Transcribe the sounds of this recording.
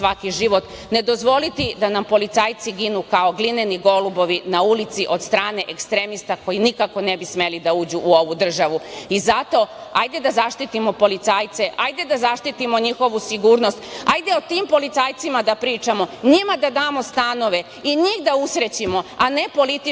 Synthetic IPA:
sʋakiʒiʋo̞t̪ | ned̪o̞zʋo̞lit̪id̪anampo̞lit̪sajt̪siɡinukao̞ɡline̞niɡo̞lubo̞ʋinaulit̪siʔo̞d̪st̪ɾaːne̞ʔekst̪ɾe̞mist̪ako̞inikako̞ne̞bisme̞lid̪auːd͡ʑuʔːoʋud̪r̩ʒaʋuizat̪o̞a̰jd̪e̞d̪azaʃt̪it̪imo̞po̞lit̪saːjt̪se̞ʔajd̪e̞d̪azaʃt̪it̪imo̞ɲixo̞ʋusiɡuːɾno̞st̪ajd̪e̞ot̪iːmpo̞lit̪sajt̪simad̪apɾiːt͡ʃamo̞ɲimad̪ad̪aːmo̞st̪ano̞ʋe̞ | iɲixd̪ausɾet͡ɕimo̞ane̞po̞lit̪i

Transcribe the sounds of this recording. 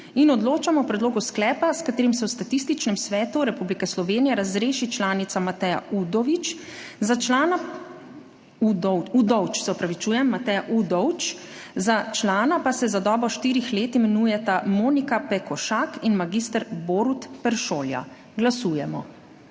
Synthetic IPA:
inɔd̪loːt͡ʃamɔwpɾɛd̪loːɡusklɛːpaskat̪eːɾimsɛwst̪at̪ist̪it͡ʃnɛmsʋɛːt̪uɾɛpublikɛslɔʋeːnijɛɾazɾeːʃit͡ʃlaːnit̪samat̪ɛja̰ud̪ɔʋit͡ʃ | zat͡ʃlaːna | ud̪ɔud̪ɔwt͡ʃsɛɔpɾaʋit͡ʃuːjɛmːat̪ɛjaʔud̪ɔwt͡ʃ | zat͡ʃlaːnapasɛzad̪ɔːbɾɔʃt̪iːɾixleːt̪imɛnujɛt̪amoːnikapɛkɔʃaːkinmaɡist̪əɾboːɾut̪pɛɾʃoːlja̰ | ɡlasuːjɛmɔ

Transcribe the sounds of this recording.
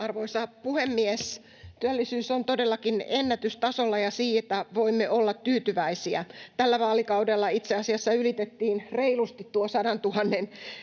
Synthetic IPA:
ɑrʋoisɑpuhemːies | t̪yælːisyːsont̪odelːɑkinenːæt̪yst̪ɑsolːɑjɑsiːet̪ːæʋoimːeolːɑt̪tyːt̪yʋæisiæt̪ælːæʋɑːlikɑudelːɑit̪seɑsiɑsːɑylit̪et̪ːiːnreilust̪it̪tːuosɑdɑnt̪uhɑnːen

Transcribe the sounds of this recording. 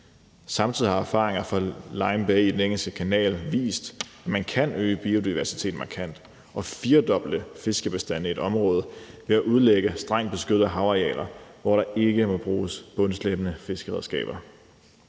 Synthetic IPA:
sɑ̈mt͡sʰið̰ˠihɑ̈æɐfɑ̰̈ːʁeŋɐfʁɑlɑ̈ɪmb̥ɛɪid̥eneŋ̰l̩sɡ̥əkʰænɛ̰ːlʋḭːsd̥æmænkʰænøːəb̥iːo̝d̥iʋæɐsi̥t͡sʰe̝̰ːd̥mɑ̈kʰæn̰d̥ | ʔɒ̽fiːɐd̥ɒ̽b̥l̩d̥əfe̝sɡ̥əb̥e̝sd̥æn̰əie̝d̥ɒ̽mʁɔ̽ːð̞̩ˠʋe̝æʔuð̞ˠleɡ̥əsd̥ʁɑ̈ŋ̰d̥̚b̥e̝sɡ̥ød̥̩ˠæɦɑ̈ʊɑiɛ̰ːlɐʋɒ̰ɾɑ̈e̝ɡ̥əmɒ̽b̥ʁuːsb̥ɔ̽nsleb̥ənəfe̝sɡ̥əʁɛðˠsɡ̥ɛ̰ːb̥ɐ

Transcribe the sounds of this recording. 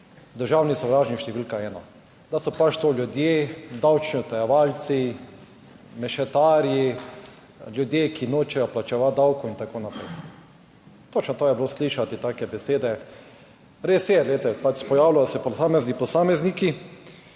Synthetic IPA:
d̪əɾʒaːwnisɔwɾaːʒniʃt̪ɛʋilkaɛːnɔ̰ | d̪asɔpat͡ʃt̪olʲjud̪jed̪awt͡ʃniʊt̪ɛjɛʋalt̪si | mɛʃɛt̪aːɾji | ljud̪jeːkinoːt͡ʃɛjɔplat͡ʃɛʋat̪̚d̪awkɔint̪akonapɾɛ̰j | t̪ot͡ʃnɔt̪oːjɛblosliːʃat̪it̪aːkɛbɛseːd̪ɛ | ɾesjɛd̪ɛlet̪ɛpat͡ʃpɔjaːwlajɔsɛpɔsaːmɛznipɔsaːmɛzniki

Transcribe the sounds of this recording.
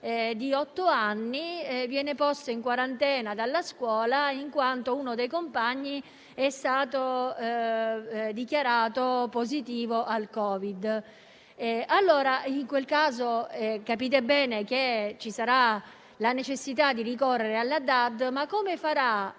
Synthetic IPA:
d̪iɔt̪ːoanːivjɛːnepɔst̪oiŋkwaɾant̪ɛːnad̪alːaskwɔːlaiŋkwant̪ounod̪ejkompaɲːi | ɛst̪aːt̪o | d̪ikjaɾaːt̪opozit̪iːvoʔalkɔːvid̪ | alːoːɾaiŋkwelkaːzoɛkapiːt̪̬ebɛːnek̟et͡ʃisaɾa | lanet͡ʃesːit̪ad̪ːirikɔrːeɾealːad̪ad̪makːomefaɾa

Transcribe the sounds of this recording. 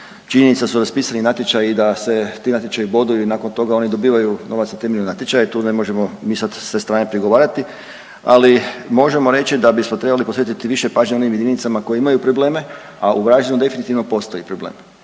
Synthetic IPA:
t͡ʃiɲenit̪sasuɾaspiːsaninat̪jet͡ʃajid̪ase̞t̪iːnat̪jet͡ʃajibo̞d̪uinaːko̞nt̪o̞ɡao̞nid̪o̞biːʋajuno̞ʋat̪snat̪e̞meʎnonat̪jet͡ʃajait̪uːnemo̞ʒe̞mo̞miːsad̪sʋe̞st̪ɾaːnepɾiɡo̞ʋaːɾat̪i | a̰limo̞ʒe̞mo̞ɾe̞t͡ɕt͡ʃid̪abismo̞t̪ɾebalipo̞sʋet̪it̪iʋiʃe̞paːʒɲeoniːmjed̪init̪samako̞jeimajupɾoble̞ːme̞ | aʔuʋɾaːʒenud̪e̞finit̪iʋno̞po̞st̪ojipɾoblḛːm

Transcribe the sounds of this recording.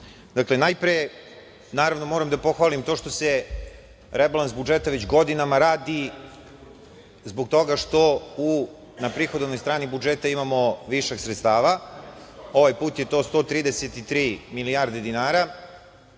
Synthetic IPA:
d̪aklenajpɾije | naːɾaʋno̞moɾamd̪apo̞xʋaːlimt̪o̞ːʃt̪o̞se | ɾebalˠansbud͡ʒet̪aʋet͡ɕɡo̞d̪inamaɾaːd̪i | zbok̚t̪o̞ɡaʃt̪o̞u | napɾixo̞d̪nojst̪ɾaːnibud͡ʒet̪aimamo̞ʋiʃeɡsɾet̪st̪aːʋa | o̞ʋajpuːt̪jet̪o̞st̪o̞ːt̪ɾiːd̪eset̪it̪ɾiːmilijaːɾd̪e̞d̪inaːɾa

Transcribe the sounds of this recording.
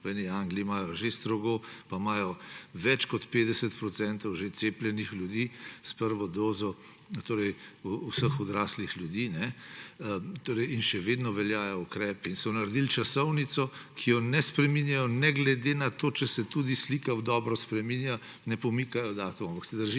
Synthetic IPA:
ɛniaŋɡliimaːjɔʒest̪ɾɔɡopamaːjɔʋɛt͡ʃkɔt̪peːd̪ɛsət̪pɾɔt̪sɛnt̪ɔwʒet̪seplʲjɛnixljud̪iːspəɾʋɔd̪oːzɔ | t̪oːɾɛjuusəxɔd̪ɾaːslixljud̪iːnɛ | t̪oːɾɛjinʃɛʋed̪nɔʋɛljaːjɔukɾɛːpɛinsɔnaɾd̪ilt͡ʃasɔwnit̪sɔkʰijɔnɛspɾɛminjajɔnɛɡlɛd̪enat̪oːt͡ʃɛsɛt̪ud̪islikawd̪ɔːbɾɔspɾɛminja | nɛpɔmikajɔd̪aːt̪umampɐksɛd̪əɾʒiː

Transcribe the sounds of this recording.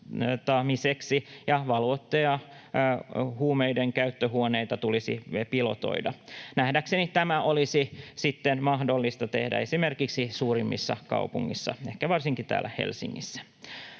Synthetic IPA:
t̪ɑmiseksijɑʋɑlot̪ːejɑ | huːmejdeŋkæyt̪ːøɦuonejt̪ɑt̪ulisḭpilo̞̰t̪o̞̰idɑ̰næhdæksenit̪æmæʔolisisit̪ːenmɑhdo̞lːist̪ɑt̪e̞̰hdæ̰esime̞rkiksisuːrimːḭsːɑkɑ̰upṵŋːisːɑ̰ehkæʋɑrsiŋkit̪æ̰ːlːæhḛlsḭŋːḭsːæ̥

